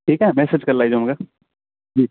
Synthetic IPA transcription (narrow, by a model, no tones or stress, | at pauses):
ʈʰiːkɦɛmɛːsed͡ʒkɐɾlaːid͡ʒoɦɐmka | d͡ʒiː